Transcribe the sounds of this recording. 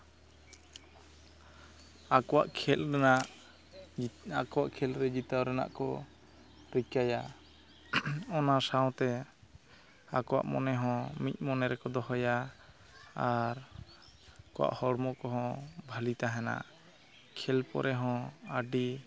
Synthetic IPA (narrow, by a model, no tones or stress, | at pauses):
akɔwaʔkʰɛlɾɛnaʔ | kɔwaʔkʰɛlɾɛd͡ʒit̪awɾɛna̰ʔkɔ | ɾikaja | ɔnasaw̃t̪ɛ | akɔwa̰ʔmɔ̰nɛɦɔ̃mic̪̚ˀmɔnɛɾɛkɔd̪ɔɦɔja | aɾ | kɔwa̰ʔhɔɽmɔkɔɦɔ̃bʱalit̪aɦɛna̰ʔ | kʰɛlpɔ̰ɾʔɛɦɔ̃aɖi